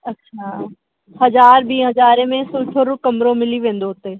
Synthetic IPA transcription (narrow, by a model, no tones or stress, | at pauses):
ɐtːʃʰaː | hɐzaːɾbʱiːɦɐzaːɾemẽsʊːʈʰoɾʊkɐmɾõmɪliʋẽːnd̪oɦt̪eː